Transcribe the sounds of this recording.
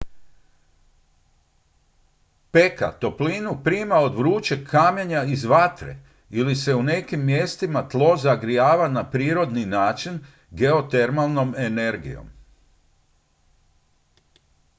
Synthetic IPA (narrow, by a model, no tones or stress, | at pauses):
pe̞ka̰t̪o̞pliːnupɾiːmao̞d̪ʋɾuːt͡ʃe̞kʰːaːmjeɲaizʋat̪ɾḛ | ilise̞une̞kimːje̞st̪imat̪lˠo̞zaɡɾijaːʋanapɾiːɾo̞d̪ninaːt͡ʃin | ɡe̞o̞t̪e̞ɾmalˠno̞me̞ne̞ɾɡḭjo̰m